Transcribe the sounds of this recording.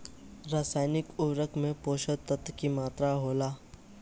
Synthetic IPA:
ɾaːsaːjɪnɪkʊwɾəkʰmẽpoːʃət̪ət̪kimaːt̪ɾaɦoːlaː

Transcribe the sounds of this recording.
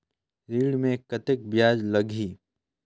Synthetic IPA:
ɾiːɽmẽkɐt̪ɪk̚bjaːd͡ʒlɐɡʱiː

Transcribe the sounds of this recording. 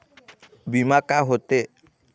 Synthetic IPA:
bimakaɦot̪e

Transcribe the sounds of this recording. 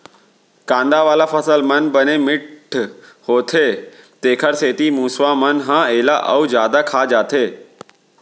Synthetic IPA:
kãːnd̪aʋaːlafʰɐsəlmɐnbənemɪʈʈʰhoːt̪ʰeːt̪eːkʰəɾseːt̪imũːsʋaːmɐnɦãːeːlaʔɐud͡ʒjaːd̪akʰaːd͡ʒaːt̪ʰeː

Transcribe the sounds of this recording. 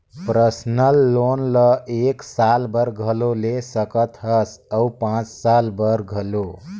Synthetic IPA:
pɾəsnəlːonləeksalbəɾɡʱəlolesəkət̪ʰʌsəwpãt͡ssalbəɾɡʱəlo

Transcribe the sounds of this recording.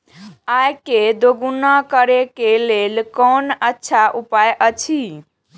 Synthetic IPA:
ajked̪oɡunakəɾekelelkɔnətːʃʰaʔupajʔət͡ʃʰi

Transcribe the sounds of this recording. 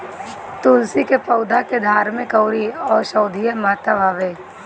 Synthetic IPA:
t̪ʊːlsikepɐʊd̪ʱaked̪ʱaːɾmẽkɐʊɾiɔːɾʃɐʊd̪ʱijəmaːt̪abʱaːʋeː

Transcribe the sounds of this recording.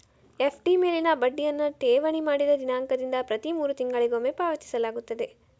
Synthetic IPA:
epʰʈimeːlinɐbɐɖːijɐnːɐʈ̪eːʋɐɳimaːɽid̪ɐd͡ʒ̪inaːŋkɐd̪ind̪ɐpɾɐt̪imuːɾut̪iŋɡɐɭiɡomepaːʋɐt͡ʃːi̥sɐlaːɡut̪ːɐd̪e̞

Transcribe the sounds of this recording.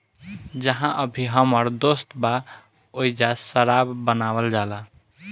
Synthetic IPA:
d͡ʒəɦãʔəbʱiɦəməɾd̪ost̪ba | ojd͡ʒasəɾabːənaβəld͡ʒala

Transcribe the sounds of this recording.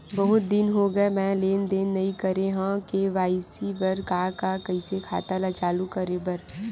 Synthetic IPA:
bɐɦʊt̪̚d̪ɪnɦoɡɐemɛ̃ːleːnd̪eːnːɐikɐɾeɦãkeʋaːisibɐɾkaːkakɐisekʰa̰ːt̪alat͡ʃaːlukɐɾebɐɾ

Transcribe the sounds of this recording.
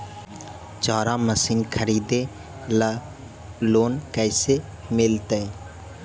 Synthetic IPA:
t͡ʃaːɾãːməsinkʰəɾiːd̪e | l | loːnkɛːse | mɪlt̪e

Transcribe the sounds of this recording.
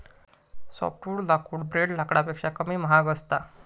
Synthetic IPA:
sɔ̰pʈuːɽlakuːɽbɾeɽlakɽapekʂakəmiːməɦaɡəst̪a

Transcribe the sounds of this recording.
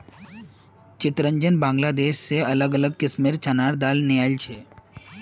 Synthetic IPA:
t͡ʃɪt̪ɾə̃ɲd͡ʒənbãːŋɡlad̪eːʃseɐləɡələɡ̚kɪsmeɾt͡ʃanaɽd̪aːlnɪjalt͡ʃʰe

